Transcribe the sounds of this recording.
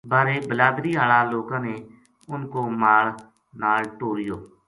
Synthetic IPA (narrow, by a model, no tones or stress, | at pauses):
baːɾeːbəlaːd̪ɾiːɦaːɭaːloːkãːneː | ʊnkoːmaːɭ | naːlʈoːɾɪjoː